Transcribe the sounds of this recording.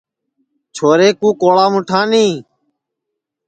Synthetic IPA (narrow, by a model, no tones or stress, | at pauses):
t͡ʃʰoːɾeːkũːkoːɭaːmʊ̃ʈʰãːnĩː